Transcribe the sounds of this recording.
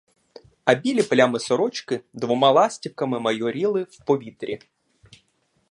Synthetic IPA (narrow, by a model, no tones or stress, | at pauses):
ɐbʲilʲiplʲamɪsɔɾɔt͡ʃkɪd̪ʋɔmɑlˠɑsʲtʲiwkɐmɪmɐjɔɾʲilˠɪwpɔʋʲit̪ɾʲi